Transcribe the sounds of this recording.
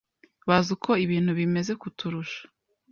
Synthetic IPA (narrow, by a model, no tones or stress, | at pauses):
βazukʰo̞iβiːn̥huβime̞ze̞kutʰuɾuʃḁ